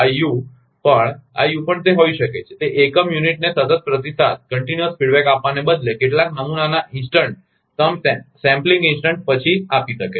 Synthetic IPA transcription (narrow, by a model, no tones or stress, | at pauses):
aju | pəɳa̰jupəɳt̪eɦoiʃəket͡ʃʰet̪eʔekəmjuniʈ̚nesət̪ət̪̚pɾət̪isat̪̚kəɳʈinjəspiɽbɛkapʋanebəd̪lekeʈlãk̚nəmunanaʔɪnsʈəɳʈ̚ | t̪əmssɛ̃mplĩŋɡinsʈəɳʈ̚pət͡ʃʰiapiʃəke